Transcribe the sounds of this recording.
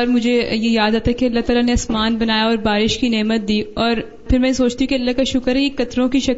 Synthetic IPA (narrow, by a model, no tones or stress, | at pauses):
ɔːɾmʊd͡ʒʱejejaːd̪aːt̪aɦɛkiɐlːaɦt̪aːlaneɐsmaːnbɐnaːjaɔːɾbaːɾɪʃkineːmət̪̚d̪iːɔːɾ | pɪɾmɛ̃soːt͡ʃt̪iɦũkiɐlːaɦkaʃʊkəɾikɐt̪ɾõkiʃɐk